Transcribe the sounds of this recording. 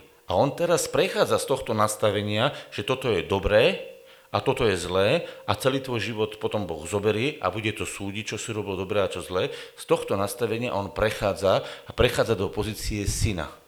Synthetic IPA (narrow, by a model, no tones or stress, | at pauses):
aɔnt̪ɛɾaspɾɛxaːd͡zast̪ɔxt̪ɔnast̪aʋɛɲɪaʒ̥ɛt̪ɔt̪ɔjɛd̪ɔbɾɛː | at̪ɔt̪ɔjɛzlɛːʔat͡sɛliːt̪ʋɔjʒiʋɔt̪pɔt̪ɔmbɔɣzɔbɛɾiːʔa̰buɟɛt̪ɔsuːɟic̚t͡ʃɔsiɾɔbilɔd̪ɔbɾɛːat͡ʃɔzlɛːst̪ɔxt̪ɔnast̪aʋɛɲɪa̰ʔɔnpɾɛxaːd͡zaːpɾɛxaːd͡zad̪ɔpɔziːt͡siɛsina̰